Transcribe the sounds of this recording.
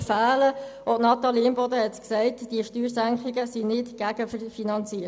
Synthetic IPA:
fæːləʔotnɑt̪ɑliːmbɔd̪əhɛtsksɛɪtd̥iəʃtyːɾsæŋkχɪɡəsinɪtɡ̥æɡ̥əfəfinɑnt͡siːə

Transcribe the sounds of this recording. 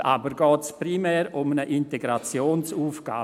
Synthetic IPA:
ʔa̰bəɾɡɔːtspɾimɛːɾʊmnəʔɪnteɡɾat͡sjoːnsuːfɡ̥a̰ː

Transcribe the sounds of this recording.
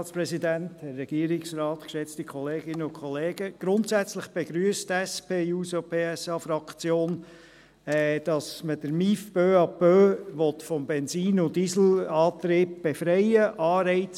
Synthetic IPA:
tspɾɛsidænthɛɾːɛɡ̥iəɾɪksrɑːt̪kʃɛt͡stikχɔleːɡ̥ɪnəʊkχɔleːɡəɡ̥ɾʊntsæt͡slɪχb̥ɛɡ̥ɾyəstɛspʰeːuːsopʰeːɛsɑːfɾɑkt͡sjoːn | ɛd̥ɑsməd̥əɾmifb̥øːɑpøːʋɔtfɔmbɛnsiːnʊndisl̩ɑːt̪ɾɪːb̚b̥efɾɛɪəʔɑːɾɛɪt͡s

